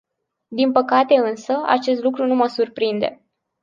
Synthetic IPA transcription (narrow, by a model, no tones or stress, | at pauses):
d̪inpəkat̪e̞ɨnsəa̰t͡ʃe̞st̪lukɾunuməsurpɾind̪e̞̰